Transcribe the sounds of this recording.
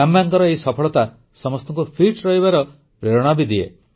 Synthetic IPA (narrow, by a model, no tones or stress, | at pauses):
ambaŋkɔɾɔeisɔpʰɔɭɔt̪a | sɔmɔst̪ɔŋkupʰiʈɾɔɦibaɾɔ | pɾeɾɔɽ̃abid̪ie